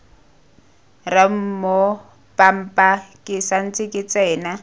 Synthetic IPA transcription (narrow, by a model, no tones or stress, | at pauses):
ram̩mo | pʼam̩pʼakʼɪsan̩t͡sʼɪkʼɪt͡sʼɛːna